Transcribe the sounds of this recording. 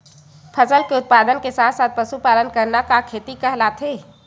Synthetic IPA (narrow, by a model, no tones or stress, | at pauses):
pʰəsəlkeʊt̪̚pad̪ənkesat̪ʰsat̪̚pəsupalənkəɾnakakʰet̪ikəɦlat̪ʰe